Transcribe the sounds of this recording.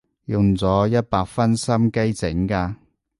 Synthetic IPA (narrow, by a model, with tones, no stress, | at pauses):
jʊ˨ŋt͡sɔː˨˥jɐ˥t̚paː˧k̚fɐ˥nsɐ˥mke˥jt͡sɪ˨˥ŋkaː˧